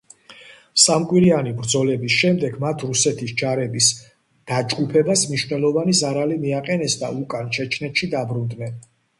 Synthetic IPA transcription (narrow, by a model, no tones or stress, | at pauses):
samkʼwiɾianibɾd̪zɔlɛbisʃɛmd̪ɛɡmat̪ʰɾusɛt̪ʰisd͡ʒaɾɛbis | d̪̥ad͡ʒɡupʰɛbasmniʃvnɛlˠɔvanizaɾalimiaqʼɛnɛsd̪a̰ukʼant͡ʃʰɛt͡ʃʰnɛt̪ʃid̪abɾund̪nɛn